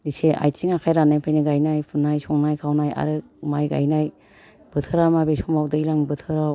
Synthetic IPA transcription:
diseʔa̰jt͡ʃiŋakʰajɾanajpʰajniɡajnajpʰɯnːajsɔŋnajkʰawnaja̰ɾɯ | majɡa̰jnaj | b̥ɯtʰɯɾamabesɔŋbawdɯjlaŋbɯtʰɯɾaw

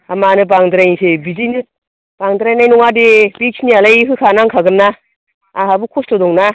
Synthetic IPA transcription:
amanɯbaŋdɾajnsebizijnɯ | b̥aŋdɾajnajnɔŋadebik̚snialajɦɯkʰanaŋkʰaɡɯnːaː | ɦabɯkʰustɔdɔŋna

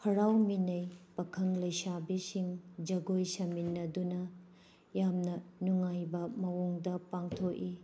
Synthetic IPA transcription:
hʰɐɾawminɐjpɐkʰɐŋlɐjsabisiŋd͡ʒɐɡojsɐminːɐdunɐ | jamnɐnuŋajbɐmɐwoŋdɐpaŋtʰok̚i

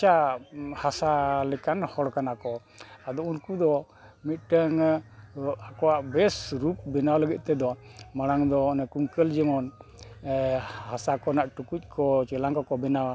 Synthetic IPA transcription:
t͡ʃahasalɛkanhɔɽkanakɔ | ad̪ɔunkud̪ɔ | mit̪̚ʈəŋ | akɔwaʔbɛsɾup̚bɛnawləɡɛt̪̚ˀt̪ɛd̪ɔmaɽaŋd̪ɔːnɛkuŋkəld͡ʒɛmɔn | hasakɔnaʔʈukuc̚ˀkʰɔt͡ʃɛlaŋkɔkɔbɛnawa

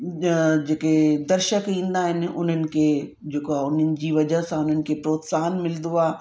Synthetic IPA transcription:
d͡ʑeːked̪ɐɾʃəkĩːn̆d̪aɦɪnɪ̆ʊ̰n̤ənɪ̆kʰe | d͡ʑeːkoaːʊnənɪ̆d͡ʑiːʋɐd͡ʑəɦsãʊn̤ənɪ̆kʰepɾoːt̪saːnmɪld̪uaː

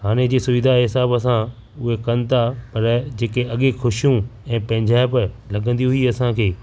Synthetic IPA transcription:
haːñed͡ʑeːsʊʋɪd̪ʱaɦɪsaːbəsã | ʊɦekɐnɪ̆t̪ʰapɐɾd͡ʑeːkeɐɠexʊʃijũɛ̃ːpɐ̃ɦɪ̃ɲd͡ʑaːɪb | lɐɡə̃nd̪iɦʊiɐsãkʰeː

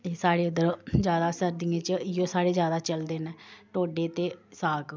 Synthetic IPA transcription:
eːsaːɽeːʊd̪əɾd͡ʒjaːd̪aːsəɾd̪iːẽːt͡ʃəɪjõːsaːɽeːzjaːd̪aːt͡ʃəld̪eːnɛːʈoːɖeːt̪eːsaːk

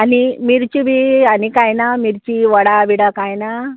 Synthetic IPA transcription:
animiɾt͡ɕiʋianikajnamiɾt͡ɕiʋəɽaʋiɽakajna

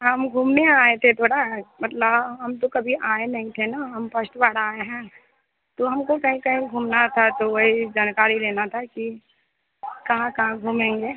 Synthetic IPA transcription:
ɦɐmɡʱuːmneaːet̪ʰet̪ʰoːɽaɦɛmɐt̪ləbɦɐmt̪okɐbʱiʔaːenɐɦĩt̪ʰenaɦɐmpɐsʈʋaːɽaːeɦɛ̃ː | t̪oɦɐmkokɐɦĩkɐɦĩɡʱuːmnat̪ʰat̪oʋɐɦid͡ʒaːnkaːɾileːnat̪ʰaki | kɐɦãkɐɦãɡʱuːmẽːŋɡeː

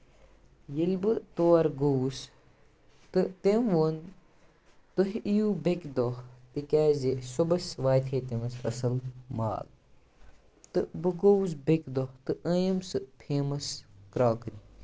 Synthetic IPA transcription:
jilbɨt̪oːɐɾɡows | t̪ɨt̪emʋon | t̪oɦijuːbekd̪oht̪ikʲaːzesobɐsʋaːjt̪ʰeːt̪emɐsɐsɐlma̰ːl | t̪ɨbɨɡows̬bekd̪oht̪ɨʔɐjɐmsɨpʰeːmɐskɾaːkɾi

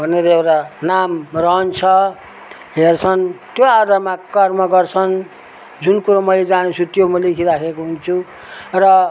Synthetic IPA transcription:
bʱʌneɾʌewʈanamrʌɦʌnt͡sʰʌ | ɦert͡sʰʌnt̪joad̪ʱarmakʌrmʌɡʌrt͡sʰʌn | d͡zunkuɾomʌjled͡zanet͡sʰut̪jomʌlekʰiɾakʰekoɦunt͡sʰu | rʌ

